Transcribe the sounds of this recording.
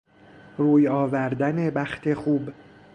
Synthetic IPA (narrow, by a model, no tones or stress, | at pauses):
ruːjɒːvæɾd̪æne̞bæxt̪ʰe̞xuːb